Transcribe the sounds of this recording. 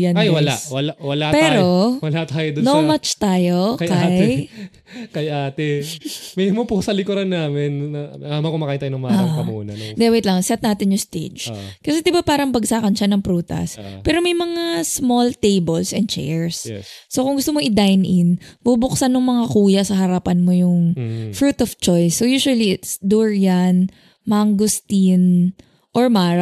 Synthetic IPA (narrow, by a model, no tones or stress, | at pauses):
jɐnajwɐla̰wɐlawɐlapɛːɾowɐlat̪aːjod̪ʊnomat͡ʃt̪aːjokɐkaaj | kɐjʔaːt̪ɛmɛmopʊsɐlɪkʊɾɐnːaːmɪnɐɐaːmakomɐkajt̪ajonɐŋmaaɐɐmuːnɐ̰nod̪ɛwɛjt̪lɐŋsɛt̪naːt̪ɪnjʊst̪ḛd͡ʒkɐsɛd̪ɪbapaːɾɐŋpɐɡ̚saːkɐnʃɐnɐŋpɾuːt̪ɐ̰spɛːɾo̞mɐjmɐŋasmolt̪ejbɛlsɛn̚t͡ʃɛ̰ɹsːo̞kʊŋɡʊst̪omoʔɪd̪ajnʔɪnb̥ubʊksɐnːʊŋmɐŋakuːjɐsɐɦɐɾapɐnmo̞jʊŋfɾuːt̪ɔft͡ʃojsːojuːʃʊwɐliɪt̪sd̪uɹjɐn | maŋɡost̪in | ʔoɹmaːɾa